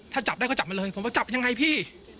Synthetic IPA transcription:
t̪ʰaː˥˩t͡ɕa˨˩p̚a˥˩jkɔ˥˩t͡ɕa˨˩p̚m˧lːjpʰo˩˦waː˥˩t͡ɕa˨˩p̚ja˧ŋːa˧jpʰiː˥˩

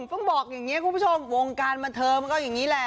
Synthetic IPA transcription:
t̪ɔ˥˩ŋbɔː˨˩k̚jaː˨˩ŋːi˦˥ku˧˩pʰu˦˥˩o˧mwoː˧ŋkaː˧nmaː˧t̪ʰɤː˧ma˧kɔː˥˩jaː˨˩ŋiː˦˥lɛ˨˩

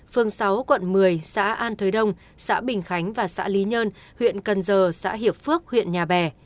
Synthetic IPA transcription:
fɨ˨˩əŋsa˨˦wkwə̰˧˨nmɨ˨˩əjsa̰ː˧˥ʔaː˧nt̪ʰəː˨˦jɗə˧wŋ͡m | sa̰ː˧˥ɓï˨˩ŋ̟xa˨˦jŋ̟vaː˨˩sa̰ː˧˥li˨˦ɲəː˧n | hwḭ˧˨ənkə˨˩nzəː˨˩sa̰ː˧˥ɦi˨˩əp̚fɨ˦˥ək̚hwḭ˧˨ənɲaː˨˩ɓɛ˨˩

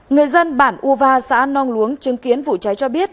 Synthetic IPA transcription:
ŋɨ˨˩əjzə˧nɓaː˧˩nʔu˧˩əvaː˧sa̰ː˧˥nɔ˧nlu˨˦əŋt͡ɕɨ˨˦ŋki˨˦ənvṵ˧˨t͡ɕa˨˦jt͡ɕɔ˧ɓi˦˥ət̚

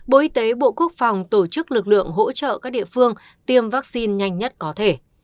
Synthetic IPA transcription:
ɓo̰˧˨ʔi˨˧˦t̪e˨˦ɓo̰˧˨ku˦˥ək̚fa˨˩wŋ͡mt̪o˧˩t͡ɕɨ˦˥k̚lɨ˨˩k̚lɨ̰˧˨əŋɦo̰˧˥t͡ɕə̰ː˧˨kaː˦˥k̚ɗḭ˧˨əfɨ˧əŋ | t̪i˧əmvaː˦˥k̚si˧nɲa˧jŋ̟ɲə˦˥t̚kɔ˨˦t̪ʰe˧˩

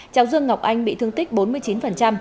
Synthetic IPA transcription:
t͡ɕaː˨˦wzɨ˧əŋːa˨˩wk͡p̚ʔa˧jŋ̟ɓḭ˧˨t̪ɨ˧əŋt̪ï˦˥k̟̚ɓo˨˦nmɨ˧əjt͡ɕi˨˦nfə˨˩nt͡ɕa˧m

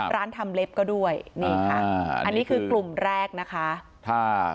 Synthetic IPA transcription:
ɾaː˦˥nt̪ʰa˧mle˦˥p̚kɔː˥˩du˥˩əjniː˧˩kʰa̰˥˩ʔa˧nːi˦˥kʰɯː˧kklu˨˩mɾɛː˥˩k̚na˦˥kʰa˦˥ʔ | t̪ʰa˥˩

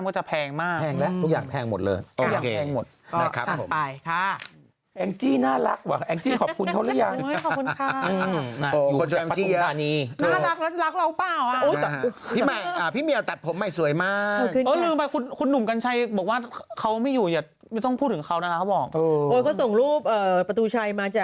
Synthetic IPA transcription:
mkɔː˥˩t͡ɕa˨˩pʰɛː˧ŋmaː˥˩k̚ʰɛː˧ŋlɛ˦˥t̪ʰu˦˥k̚ja̰ː˨˩ŋpʰɛː˧ŋmo˨˩t̪̚lɤ̰ː˧jt̪ʰou˦˥jaː˨˩kʰeː˧ɛː˧ŋmo˨˩t̪̚nːa˦˧˩kʰɾa˦˥tʰːo̰˨˩˦ma˧jkʰa˧˥˩ | ʔɛ˧ŋt͡ɕiː˥˩naː˥˩ɾa̰˦˥k̚wa̰ː˨˧˩ʔɛː˧ŋt͡ɕiː˥˩kɔ˨˩p̚kʰu˧nkʰa˦˩wlɯː˦˧˦jaː˨˩ŋ˧˦˥k̚ʰːku˧nkʰaː˦˥˩na˦˧˩o˧˨ko˧t͡ɕʰːʔɛ˧a˦t͡ɕiː˥˧aː˧niː˧naː˧˥˩ɾa˦˥k̚lɛ˦˥t͡ɕa˨˩la˦˥k̚ɾa˧wpaː˥˩wʔa˧˩ʔo˧˥˧iː˥˧ma˧˥˩ʔaː˨˩pʰiː˥˩mi˧ə˧wt̪a˨˩t̪̚pʰo˩˦mːa˥˩jsu˨˩˦əjmaː˥˩˧kkʰɯː˥˨ʔoː˧˩lɯː˧mpa˧jkʰu˧nkʰu˧nːu˨˩mka˧nt͡ɕʰa˧jbɔː˨˩k̚waː˥˩kʰa˦˥wma˥˩jːuː˨˩jaː˨˩ | ma˥˩jt̪ɔ˥˩ŋpʰuː˥˩t̪̚ʰɯ˩˦ŋkʰa˦˥wna˦kʰa˦˥kʰːbɔː˨˩k̚ʔoː˧oː˧jkʰɔ˥˩so˨˩ŋɾuː˥˩p̚ʔɤː˨˩pa˧t̪uː˧t͡ɕʰa˧jmaː˧t͡ɕaː˨˩k̚

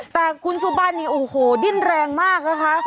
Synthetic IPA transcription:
t̪ɛː˨˩kʰu˧nsu˧˩ba˧nːiː˧˩ʔoː˨˩hoː˩˦di˧˥˩nɾɛː˧ŋmaː˥˩k̚na˧˩kʰa˦˥ʔ

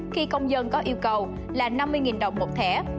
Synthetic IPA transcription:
xi˧kə˧wŋ͡mzə˧nkɔ˨˦ʔi˧wkə˨˩w | laː˨˩na˧mːɨ˧jŋi˨˩nɗə˨wŋ͡mmo˨˩k͡p̚t̪ʰɛ˧˩˦

